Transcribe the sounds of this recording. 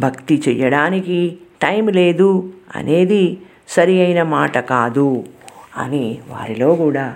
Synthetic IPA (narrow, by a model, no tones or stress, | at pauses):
bʱɐkt̪it͡ʃɛjːɐɽaːnikiʈɐjmle̞ːd̪uɐ̰nʔe̞ːd̪i | sɐɾijɐjnɐmaːʈɐkaːd̪u | ɐ̰niʋa̰ːɾilo̞ːkuːɽaː